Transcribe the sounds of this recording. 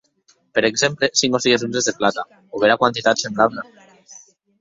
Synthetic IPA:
peɾekzemplesiŋosiɣezunzezðeplat̪a | oβeɾakwant̪it̪at̪sembɾaβna

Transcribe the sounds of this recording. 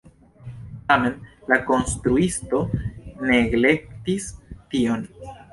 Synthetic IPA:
tame̞nlako̞nst̪ɾuisto̞ne̞ɡle̞k̚tistio̞n

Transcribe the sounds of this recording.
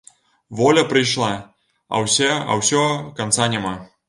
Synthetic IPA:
vɔlʲɐpɾɨjʂlˠa | ɐ̰wsʲɛɐ̰wsʲɔkant̪sanʲama

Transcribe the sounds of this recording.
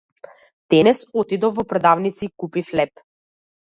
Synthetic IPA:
d̪̥ɛnɛsɔt̪id̪ɔvɔpɾɛd̪avnit̪sikupiflɛp

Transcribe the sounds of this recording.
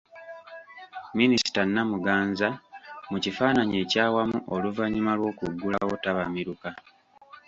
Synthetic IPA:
minisi̥tanːamuɡaːnzamucifaːnaɲe̞ːcaːwamuʔoluvaɲimalwo̞ːkuɡːulawo̞taβamiɾuka

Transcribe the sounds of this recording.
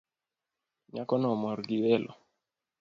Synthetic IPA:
ɲakɔnɔmɔɾɡiwɛlʔɔ̰

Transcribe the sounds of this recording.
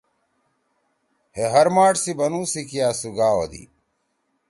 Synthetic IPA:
heɦɐɾmaːʈsibɐnuːsikijaːsuɡaːo̰d̪ḭ

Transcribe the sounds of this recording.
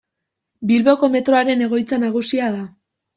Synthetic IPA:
bilβo̞ko̞me̞t̪ɾo̞aɾe̞ne̞ɣ̞o̞jt͡sanaɣ̞usiaða

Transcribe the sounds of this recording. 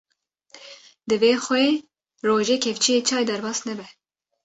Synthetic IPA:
d̪ɨveːxʷɛeː | roːʒeːkʲʰɛvt͡ʃʰijeːt͡ʃʰɑːjd̪ɛɾbɑːsnɛbɛ

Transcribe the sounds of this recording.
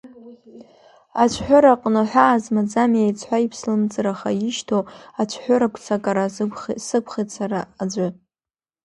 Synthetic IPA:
at͡ʃʷʰħʷᶣʊɾaqʼnɨħʷᶣaːzmad͡zamjajt͡sʰħʷaipʰslɨmt͡sʼɨɾaχajɪʃtʰoat͡ʃʷʰħʷʊɾakʷʰt͡sʰakʼaɾasɨkʷʰχetsʰaɾaːd͡ʒʷa

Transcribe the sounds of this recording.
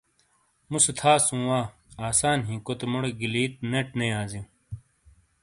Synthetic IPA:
musut̪ʰaːsũːwaːaːsaːnɦĩːkot̪emɐɽɡiliːt̪̚neʈnejaːzĩ

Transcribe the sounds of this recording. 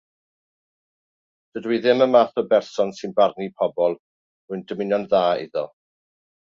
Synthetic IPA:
d̥ədwiðɪməmaːθɔbɛrsɔnsɨnbarnipʰɔbɔlˠ | muɨndəmɪnjɔnðaːɪ̰ðɔ̰

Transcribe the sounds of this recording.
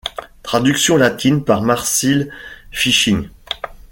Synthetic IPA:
t̪χad̪yksjɔ̃lat̪ʰinpaʁmaʁsilfiʃiŋ

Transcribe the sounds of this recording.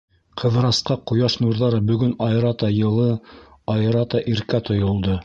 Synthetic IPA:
qʰɤ̆ðɾɑsqɑqŏjɑʃnuɾðɑɾɤbɵ̆ɡɵnɑjɾɑt̪ɑjɤ̆lˠɤɑj̆ɾɑt̪ɑʔiɾkæt̪ʰŏjŏlˠd̪ɤ

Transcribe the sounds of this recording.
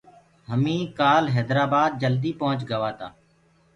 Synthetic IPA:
ɦəmĩːkaːlɦɛːd̪ɾaːbaːd̪̚d͡ʒəld̪iːpəɦʊ̃t͡ʃɡəʋaːt̪aː

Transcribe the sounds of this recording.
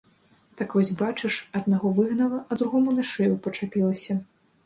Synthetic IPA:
t̪akvɔsʲbat͡ʂɨʂɐd̪̚naɣɔvɨɣnɐlˠɐɐd̪ɾuɣɔmunɐʂɛjupɐt͡ʂapʲilˠɐsʲɐ

